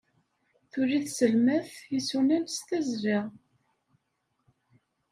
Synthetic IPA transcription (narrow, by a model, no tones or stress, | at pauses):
θʊɾiθsəlmæθjisunænst̪æzɾiʁ